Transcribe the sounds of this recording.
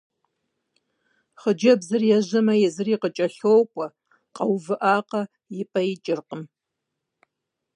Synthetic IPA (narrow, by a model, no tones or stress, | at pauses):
χəd͡ʒɐbzɨrjɛʑɐmɐjɛzɨriqət͡ʃʼɐɬowkʷʼɔ | qɐwvɨʔaːqɐ | jɪpʼɐjɪt͡ʃʼɪrqəm